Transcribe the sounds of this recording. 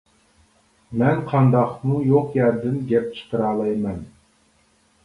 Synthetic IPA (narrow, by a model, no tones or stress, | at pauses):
mɛnqʰɑnd̪ɑqmujoqjæɾd̪ɪnɡʲɛp̚t͡ʃʰɨ̥qʰəɾɑːlˠɑjmɛn